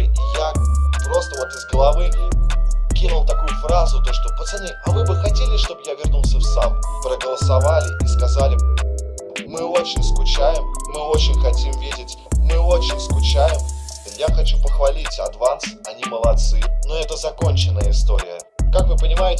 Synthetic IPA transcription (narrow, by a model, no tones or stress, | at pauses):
ijapɾo̞st̪əvo̞t̪ɪzɡəlˠɐvɨ | kʲinʊlˠt̪ɐkujʊfɾazʊt̪o̞ʂt̪opət̪sɨnʲiɐvɨbɨxɐtʲelʲɪʂt̪o̞bɨjavʲɪrnulˠsʲəfsampɾəɡəlˠəsɐvalʲɪʔiskɐzalʲɪ | mɨo̞t͡ɕɪnʲskʊt͡ɕæjɪmːɨo̞t͡ɕɪnʲxɐtʲimvʲidʲɪtʲː | ɨo̞t͡ɕɪnʲskʊt͡ɕæjɪmjaxɐt͡ɕupəxvɐlʲitʲɐd̪vant̪sɨ̥ɐnʲiməlˠɐt̪sɨnoɛt̪əzɐko̞nʲt͡ɕɪnːəjəɪst̪oɾʲɪ̰jə | kakvɨpənʲɪmajɪtʲɪɪ